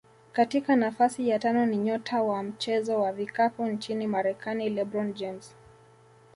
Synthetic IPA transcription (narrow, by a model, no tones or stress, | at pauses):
katikanafasijatanɔniɲɔtʰawam̩t͡ʃɛzɔwavikapunt͡ʃinimaɾɛkanilɛbɾɔnd͡ʒɛms